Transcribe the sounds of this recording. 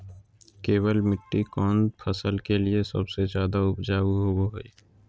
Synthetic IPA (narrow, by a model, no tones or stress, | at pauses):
keːwəlmɪʈːikɔːnpʰəsəlkeliesɐ̰bsed͡ʒjaːd̪aʊpd͡ʒaːuɦowoɦoiː